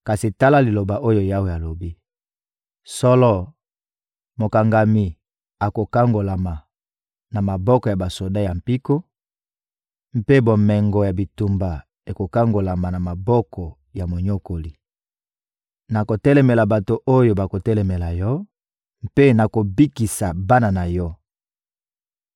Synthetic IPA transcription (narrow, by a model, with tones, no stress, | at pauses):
ka˨si˨ta˦la˦li˨lo˨ba˨ʔo˦jo˦ja˦wo˨ja˨lo˨bi˦ | sɔ˦lɔ˦ | mo˨ka˨ŋɡa˨mi˨ | a˨ko˨ka˦ŋɡo˨la˨ma˨ | na˨ma˨bɔ˦kɔ˨ja˨ba˨so˨da˦ja˨m̩pi˦ko˦ | m̩˦pe˦bo˨mɛ˨ŋɡɔ˨ja˨bi˨tu˨mba˨ | e˨ko˨ka˦ŋɡo˨la˨ma˨na˨ma˨bɔ˦kɔ˨ | ja˨mo˨ɲo˦ko˨li˨ | na˨ko˨tɛ˦lɛ˨mɛ˨la˨ba˨to˨ʔo˦jo˦ba˨ko˨tɛ˦lɛ˨mɛ˨la˨jɔ˦ | m˦pe˦na˨ko˨bi˦ki˨sa˨ba˦na˨na˨jɔ˦